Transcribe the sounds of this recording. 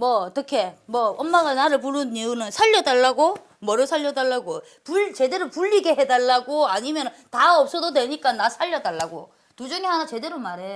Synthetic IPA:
mwʌʌt͈ʌkʰe̞mwʌʌnmːaɡanaɾɯɭp̬uɾɯniunɯnsʰaʎːʌdaɭːaɡo | mʌɾosʰaʎːʌdaɭːaɡo | puɭt͡ɕe̞de̞ɾopuʎːiɡe̞ɦedaɭːaɡoaɲimjʌntaʌp̚s͈ʌdodwe̞ɲik͈anasʰaʎːʌdaɭːaɡo̰ | tud͡ʑʌŋeɦanat͡ɕe̞de̞ɾomaɾe̞

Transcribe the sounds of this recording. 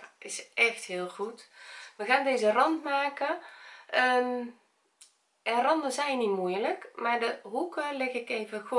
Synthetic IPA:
ɪsɛxthiəlˠxutməɣaːndeːzərɔntmaːkəʔə | ɛnrɔndəsɛjnimujələkmardəɦukəlɪɣɪkeːvək

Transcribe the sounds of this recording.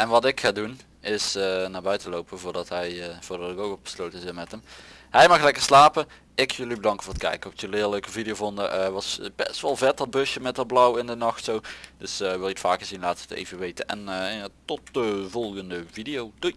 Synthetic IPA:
ʔɛnʋɑtɪkxaːdun | ɪsnaːbœɥtəlowpəvʊːɹdɑtɦɛjv̥ʊːɹdɑtɪkowkʋɔtbə̥slowtənzɪnmɛtəmɦɛjmɑxlɛkəɹslaːpə | ɪkʰjɵlibədɑŋkəfʊːɹətkɛ̰jkəɔftjəlɪːløɥkəvidijovɔndəʔʋɑsbɛ̰stʋɛlˠvɛt̚dɑd̚bɵsjəmɛt̚dɑt̚blɔwɪndənɑxtsowd̥ɵsəʋɪlˠitfaːkəɹzinlaːtətḛjvəʋejtənʔɛ̰nːtɔt̚dəvɔlˠɣəndəvidijowdu

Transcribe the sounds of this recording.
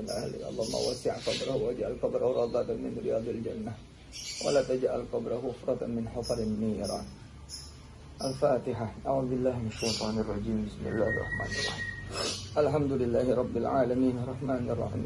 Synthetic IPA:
ɪlʔahlḭʔɑ̰lˤːɑːhumːa̰ːwasɪʕqɑbɾˤɑhwad͡ʒaʔalqɑbɾˤhɾˤɑd̪ˤɑt̪amɪ̰nɾɪ̰jaːd̪ˤɪld͡ʒanːa | wa̰laːt̪ad͡ʒaʔalqɑbɾˤɑhʊfɾˤɑt̪amɪnħɑfˤɑɾɪnːiːɾɑ̰ | ʔalfaːt̪ɪħaʔaʕuːðˤbɪlːaːhmɪnaʃːajt̪ˤɑːnɑrˤːɑd͡ʒiːmbɪsmɪ̰lːa̰ːhrˤɑ̰ħma̰ːnɑrˤːɑ̰ħiːʔalħamd̪ʊlɪlːaːhɪɾˤɑbːɪlʕaːlamiːnɑɾˤːɑħmaːnrˤːɑ̰ħḭː

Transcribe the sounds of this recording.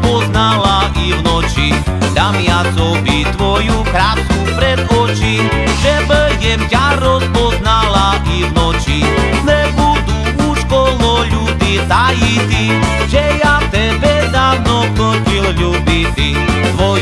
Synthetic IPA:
pɔznalaʔivnɔt͡ʃi | d̪amɪat͡sɔvit̪ʋɔjukɾat̪kupɾɛd̪ɔt͡ʃi | ʒɛbəjɛmɟaɾɔspɔsnalaʔivnɔt͡ʃinɛbud̪u | uʃkɔlɔʎud̪it̪ajit̪i | ʒɛjaft̪ɛbɛd̪aːwnɔknɔcilʎubit̪i | t̪ʋɔ

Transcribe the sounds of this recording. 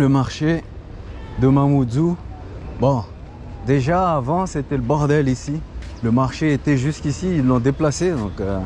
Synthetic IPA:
ləmaʁʃe | d̪əmamud̪u | bɔ̃ | d̪eʒaːvɑ̃set̪ɛləbɔʁd̪ɛlisiləmaʁʃeet̪ɛʒyskʲisiilːɔ̃d̪eplased̪ɔ̃kø

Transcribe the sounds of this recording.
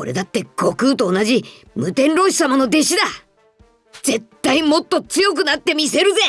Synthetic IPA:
o̞̰ɾe̞̰d̪at̪ːe̞ɡo̞kɯ̟ːt̪o̞ːnaʑi | mɯ̟t̪ẽ̞nɾo̞ɕi̥samano̞d̪e̞ɕid̪a | z̥e̞t̪ːaimo̞t̪ːo̞t͡sɨjo̞k̬ɯ̟nat̪ːe̞mʲise̞ɾɯ̟ze̞

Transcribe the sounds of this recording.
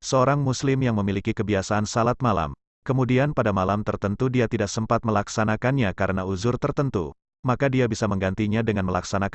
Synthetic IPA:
səoɾaŋmuslɪmjaŋməmilikikəbiasaːnsalat̪̚mala̰m | kəmudianpadamalamt̪ərt̪ənt̪udiat̪idak̚səmpat̪̚məlaksanakanɲakaɾənauzʊrt̪ərt̪ənt̪ṵ | makadiabisaməŋɡant̪iɲadəŋanməlaksanak

